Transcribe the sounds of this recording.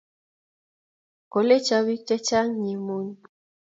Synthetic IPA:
ko˨le˦t͡ʃa˨βi˦t͡ʃɛ˦t͡ʃa˦ŋɲi˨mu˦n

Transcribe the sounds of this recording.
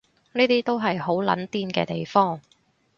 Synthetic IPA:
niː˥t̪iː˥t̪o˥wɦɐ˨jɦo˨˥wlɐ̰˨˥nt̪iː˥nkɛ̰ː˧t̪e˨jfɔː˥ŋ

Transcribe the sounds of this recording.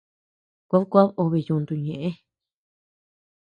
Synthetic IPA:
kʷa˦βkʷa˦βo˧βi˧˨jũ˧nd̪u˧ɲẽ˨ʔẽ˦

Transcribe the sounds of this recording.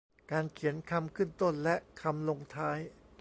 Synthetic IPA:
kaː˧nkʰi˩˦ənkʰa˧mkʰɯ˥˩nt̪o˥˩nlɛ˦˥ʔkʰa˧mlo˧ŋt̪ʰaː˦˥j

